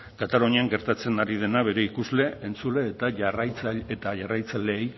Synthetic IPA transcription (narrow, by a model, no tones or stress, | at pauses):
kat̪aloɲiaŋɡe̞ɾt̪at͡se̞naɾið̞e̞naβ̞e̞ɾe̞ikuzle̞ent͡sule̞ːt̪aʝarajt͡saet̪aʝarajt͡sale̞ːj